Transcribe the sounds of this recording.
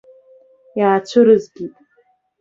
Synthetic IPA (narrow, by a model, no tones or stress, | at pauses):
jaːt͡ʃʷʰɨɾɨzɡʲitʼ